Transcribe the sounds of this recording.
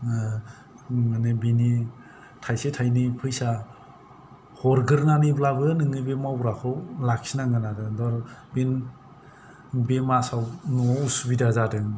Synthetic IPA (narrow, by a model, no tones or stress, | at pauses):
manebini | tʰajsetʰajnipʰɯjsa | hɔɾɡɯɾnaniblabɯnɯŋɯbemawɾakʰɯwlak̚sinaŋɯnadɯdɔɾben | bemasawnuɔusubidazadɯŋ